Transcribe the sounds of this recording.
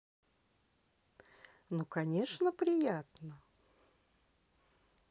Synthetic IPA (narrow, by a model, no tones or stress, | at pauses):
nokɐnʲe̞ʂnəpɾʲɪjat̪nə